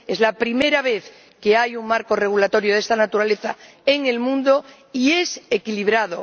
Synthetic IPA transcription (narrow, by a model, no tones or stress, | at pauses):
e̞zlapɾime̞ɾaβ̞e̞θ | ke̞ajuŋmaɾko̞re̞ɣ̞ulat̪o̞ɾjoðe̞st̪anat̪uɾale̞θa | eŋe̞lmũnd̪o̞ | ie̞sekiliβ̞ɾað̞o